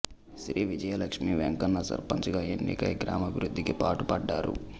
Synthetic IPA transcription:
ʃɾiːʋid͡ʒɐjɐlɐkʂmiʋeŋkɐnːɐsɐ̰ɾpɐɲt͡ʃɐɡaːenːḭkɐ̰jɡɾa̰ːmɐbʱiɾud̪ʱːikipaːʈupɐɖːaːɾṵ

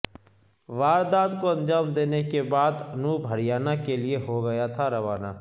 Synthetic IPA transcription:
ʋaːɾd̪aːd̪koɐ̃nd͡ʒaːmd̪eːnekebaːd̪ɐnubʱɐɽijaːnakelieɦoɡɐjat̪ʰaɾɐʋaːna̰ː

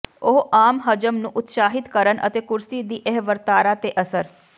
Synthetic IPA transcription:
oɦaːmɦəd͡ʒəmnũːʔʊt̪saːɦɪt̪kəɾənʔə̰t̪eːkʊɾsiːd̪iːʔɛɦʋəɾt̪aːɾaːt̪eːʔəsəɾ

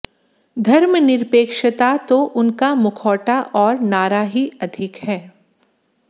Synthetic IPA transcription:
d̪ʱɐɾmənɪɾpeːkʃət̪at̪oʔʊnkamʊkʰɔːʈaʔɔːɾnaːɾaɦiɐd̪ʱɪkhɛː

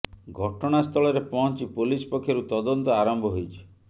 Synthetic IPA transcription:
ɡʱɔʈɔɽ̃ast̪ʰɔɭɔɾepɔɦɔnt͡ʃipulispɔkʰːjoɾut̪ɔd̪ɔnt̪ɔaɾɔmbʱɔɦojt͡ʃʰi̥

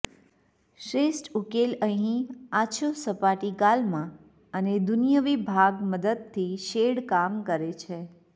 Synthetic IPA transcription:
ʃɾesʈukeləɦĩaʃʰosəpaʈikalmã | əned̪unijəʋibʱaɡməd̪əd̪̚t̪ʰːiʃeɽkamkəɾet͡ʃʰe

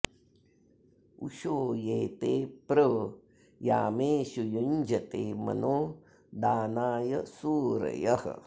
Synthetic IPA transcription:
uʃoːjeːt̪eːpɾə | jaːmeːʃujund͡ʒɐt̪eːmɐ̰noː | d̪aːnaːjɐsuːɾɐ̰jɐhɐ̰

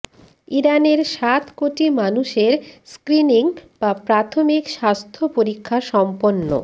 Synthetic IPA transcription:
iɾaneɾʃat̪koʈimanuʃeɾskɾiniŋbapɾat̪ʰomikʃast̪ʰopoɾikʰːaʃɔmponːo̰

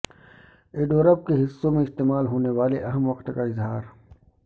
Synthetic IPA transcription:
eːɖoːɾəb̚keɦɪsːõmẽɪst̪eːmaːlɦoːneʋaːleʔɐɦəmʋɐqt̪kaɪzɦaːɾ

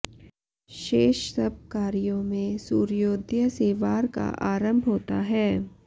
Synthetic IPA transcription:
ʃeːʃsəb̚kaːɾijõmẽsuːɾjoːd̪jəseːʋaːɾka̰ʔaːɾə̃mbʱɦoːt̪a̰ɦɛː

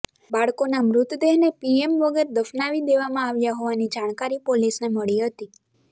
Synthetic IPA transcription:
baɭkonamɾʊt̪d̪eɦnepiemʋəɡəɾd̪əfnaʋid̪eʋamãaʋjaɦoʋanid͡ʒaɽ̃kaɾipolisneməɭiɦət̪i

